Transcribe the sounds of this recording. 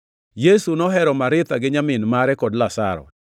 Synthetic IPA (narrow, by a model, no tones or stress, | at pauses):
jesunɔɦɛɾɔmaɾɪt̪aɡɪɲamɪnmaɾɛkɔdlasa̰ɾɔ̰